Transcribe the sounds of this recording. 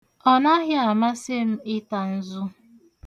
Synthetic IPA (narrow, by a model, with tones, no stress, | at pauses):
ɔ˦na˦ɦɪ˦a˨ma˦se˦m̩˦ɪ˦ta˨n̩˦zʊ˦